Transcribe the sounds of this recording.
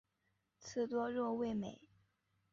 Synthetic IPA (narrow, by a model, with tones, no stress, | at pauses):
t͡sʰɹ̩˥˩t̪wɔ˥ɻwɔ˥˧we˥˩ɪme˨˩˦ɪ